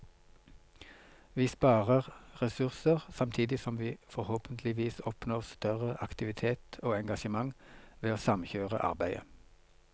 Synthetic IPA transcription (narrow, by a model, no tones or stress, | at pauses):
ʋiːspɑːʁəʁʁɛsʉʁsəʁsɑmt̪ʰiːd̪ɪsɔmʋiːfɔʁhoːpənt̪ʰlɪʋiːsɔpnoːʁst̪œʁəʔɑkt̪ɪʋɪt̪ʰeːt̪oːɛŋɡɑʃəmɑŋʋeːoːsɑmçøːʁə̰ʔɑ̰ʁbæɪə̰